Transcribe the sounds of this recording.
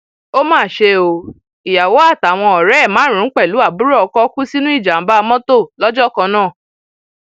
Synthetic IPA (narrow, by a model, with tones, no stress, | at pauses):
o˦mãː˦˨ʃe˧o˧ | i˨ja˨wo˨˦a˦˨ta˨w̃ɔ̃˧ɔ˨ɾɛ˦˨mãː˨˦ɾ̃ĩ˨˦k͡pɛ˦˨lu˨˦a˦˨bu˦ɾɔ˦ɔ˧kɔ˦ku˦si˦nũ˦i˦˨d͡ʒa˨m̩˨˦ba˦˧mɔ̃˦to˦˨lɔ˦d͡ʒɔ˦˨kɔ̃˧nãː˦˨